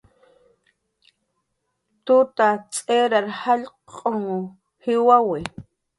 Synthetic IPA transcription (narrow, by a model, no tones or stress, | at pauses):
t̪ʊt̪at͡sʼeɾaɾhaʎqʼoŋ | hɪwawɪ